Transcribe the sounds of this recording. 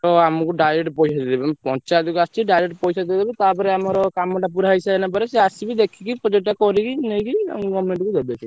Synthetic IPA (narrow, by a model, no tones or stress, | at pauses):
t̪ɔamɔkuɖajɾeʈpɔjsad̪d̪ebampɔ̃t͡ʃad̪ikuast͡ʃiɖajɾeʈpɔjsad̪id̪ebet̪apɔɾeamɔɾɔkamɔʈapuɾaisaenap̬ɔɾeseasibid̪ekʰikipɔd͡ʒeʈːakɔɾikinejkia̰mɡɔmːeɳʈkud̪ebesi